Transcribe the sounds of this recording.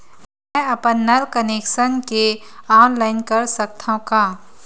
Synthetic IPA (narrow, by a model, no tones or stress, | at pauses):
mɛ̃ɐpənːɐɾkəneːkʃənkeaːnlaːɪnkɐɾsɐk̚t̪ʰãkaː